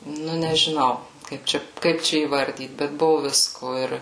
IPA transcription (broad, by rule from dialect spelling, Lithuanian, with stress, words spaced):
ˈnʊ nʲɛʒʲɪˈnɐʊ ˈkɐɪp t͡ʃʲɛ ˈkɐɪp t͡ʃʲɛ iːˈʋɐrʲdʲiːt bʲɛt ˈbʊʋʊ ˈʋʲɪskoː ˈɪr